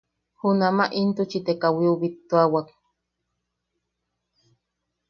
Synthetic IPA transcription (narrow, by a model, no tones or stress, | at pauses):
hunamaʔint̪ut͡ʃit̪ekawiuβit̪ːuawak